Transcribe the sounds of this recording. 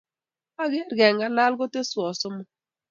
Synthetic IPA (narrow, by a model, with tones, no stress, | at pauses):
a˦ɡe˦ɾɡɛ˨ŋɡa˨˦la˦lɡɔ˦te˦swɔ˨sɔ˦mɔ˦˨˦